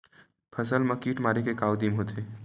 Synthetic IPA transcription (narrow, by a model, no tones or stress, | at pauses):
pʰəs̬əlmɐkiːʈmaːɾekekaːwd̪imɦoːt̪ʰe